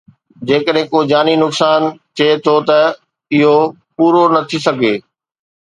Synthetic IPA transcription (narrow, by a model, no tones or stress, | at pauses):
d͡ʑeːkəɗɦɪ̃koːd͡ʑaːninʊksaːnt͡ɕ̪ʰeet̪ʰot̪ɐ | ɪɦo | puːɾonɐt̪ʰisɐɡʱeː